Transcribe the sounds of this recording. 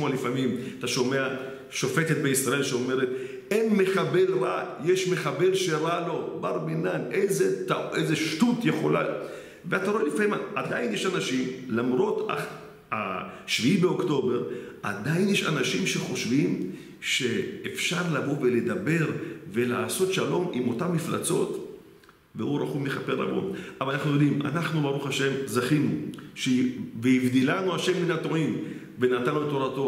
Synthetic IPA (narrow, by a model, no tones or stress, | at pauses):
moalifamimat̪aʃo̞mea | ʃo̞fe̞t̪et̪̚beisʁaelʃeome̞ʁet̪ | enmeχabe̞lʁa̰jeʃmeχabelʃeʁalo̞baʁminanʔezetaʔejzeʃtutjeχo̞la̰ | veat̪aʁoelifamimaʔad̪ainjeʃanaʃimlamʁo̞t̪a̰ | a̰ʃviibeokto̞beʁa̰d̪ainjeʃa̰naʃimʃe̞χo̞ʃvim | ʃe̞ːfʃaʁlavo̞ve̞le̞dabe̞ʁve̞laːso̞t̪ʃalo̞mimo̞tamːifla̰t͡so̞t | veuɾaχumleχape̞ʁla̰bo̞̰mavalanaχnujo̞d̪ima̰naχnubaʁuχaʃe̞mzaχinuʃeveivd̪ilanuaʃe̞mːinatoim | ve̞nat̪aloet̪ːoɾato